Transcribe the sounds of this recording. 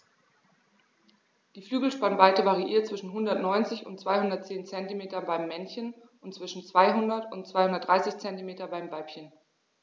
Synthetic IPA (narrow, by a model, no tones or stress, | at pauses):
d̥iːflyːɡl̩ʃpanvaɪtəvaʁiʔiːɐt̚t͡sv̥ɪʃn̩ɦʊndɐtnɔʏnt͡sɪçʊ̰ntt͡sv̥aɪhʊndɐt̚t͡seːnt͡sɛntimeːtɐbaɪmːɛnçən | ʊntt͡sv̥ɪʃn̩t͡sv̥aɪɦʊndɐtʊntt͡sv̥aɪhʊndɐtdʁaɪsɪçt͡sɛntimeːtɐbaɪmvaɪpçən